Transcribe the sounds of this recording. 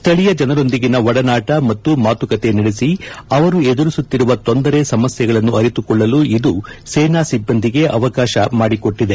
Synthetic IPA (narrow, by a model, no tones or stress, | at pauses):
st̪ʰɐɭijɐd͡ʒɐnɐɾo̞nd̪iɡinɐʋɐɽɐnaːʈɐmɐt̪ːumaːt̪ukɐt̪e̞niɽesiɐʋɐɾued̪uɾisut̪ːiɾuʋɐt̪o̞nd̪ɐɾe̞sɐmɐsjɐɡɐɭɐnːuɐɾit̪ukɔɭːɐluid̪useːnaːsibːɐnd̪ʱiɡe̞ʔɐʋɐkaːʃɐmaːɽiko̞ʈːid̪e̞